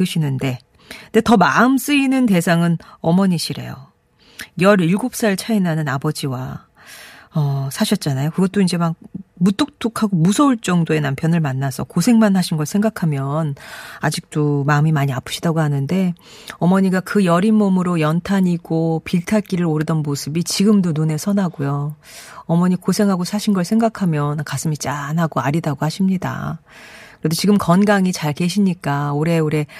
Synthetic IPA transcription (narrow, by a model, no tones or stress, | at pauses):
ɯɕʰinɯnde̞ | nde̞tʌmaɯms͈ɯinɯnte̞sʰaŋɯnʌmʌɲiɕʰiɾe̞̰jo̰ | jʌɾiɭɡop̚s͈aɯɭt͡ɕʰainanɯnabʌd͡ʑiwa | ʌsʰaɕʰʌt̚t͡ɕ͈anajokɯɡʌt̚t͈oind͡ʑe̞mak̚mut͈ok̚t͈ʰokʰaɡomusʰʌuɭt͡ɕ͈ʌŋdoe̞nampʰjʌnɯɭmanːasʰʌ̰kosʰe̞ŋmanhaɕʰinɡʌɭsʰeŋɡakʰamjʌnad͡ʑik̚t͈omaɯmimaɲiapʰɯ̥ɕʰidaɡohanɯnde̞ | ʌmʌɲiɡakɯjʌɾimːʌmɯɾojʌntʰaɲiɡ̥opiɭtʰak͈iɾɯɾoɾɯdʌnmosʰɯbit͡ɕiɡɯmdonone̞sʰʌnaɡojo | ʌmʌɲikosʰe̞ŋɦaɡosʰaɕʰinɡʌɭsʰe̞ŋɡakʰamjʌnkas͈ɯmit͡ɕ͈anɦaɡoaɾidaɡohaɕʰimɲida̰ | kɯɾedʰot͡ɕiɡɯmkʌnɡaŋit͡ɕaɭke̞ɕʰimɲik͈aoɾe̞oɾe̞